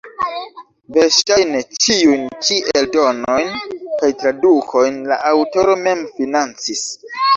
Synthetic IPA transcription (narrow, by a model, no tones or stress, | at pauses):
veɾʃtajnet͡ʃiujnt͡ʃiʔe̞ldo̞no̞jnkajtɾadukʰo̞jnla̰ʔawto̞ɾo̞me̞mfinant͡sis